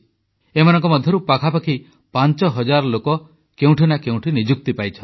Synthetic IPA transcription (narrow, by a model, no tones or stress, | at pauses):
emanɔŋkɔmɔd̪ʱjɔɾupakʰapakʰi | pant͡ʃɔɦɔd͡ʒaɾɔlokɔ | keũʈʰinakeũʈʰinid͡ʒuk̚t̪ipajt͡ʃʰɔn